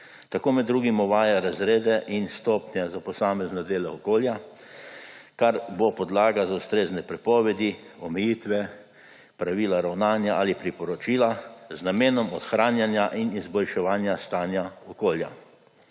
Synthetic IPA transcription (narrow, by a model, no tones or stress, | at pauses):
t̪akoːmɛd̪ːɾuːɡimɔʋaːjaɾazɾeːd̪ɛʔinst̪ɔpnjɛzapɔsaːmɛznad̪eːlɛɔkoːlja | kaɾbopɔd̪laːɡazaust̪ɾeːznɛpɾɛpɔːʋɛd̪iɔmɛjiːt̪ʋɛ | pɾaʋiːlaɾawnaːnjaʔalipɾipɔɾɔt͡ʃiːlaznameːnɔmɔt̪xɾaːnjanjaʔinizbɔlʃɛʋaːnjast̪aːnjaɔkoːlja̰